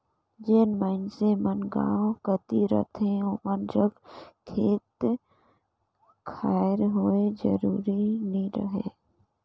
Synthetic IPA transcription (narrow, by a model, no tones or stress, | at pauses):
d͡ʒeːnmənsemənɡã̰ːõkət̪iɾə̰t̪ʰẽomənɾəɡkʰeːt̪ | kʰaːɾɦoed͡ʒə̰ɾuːɾinəĩɾə̰ɦḛː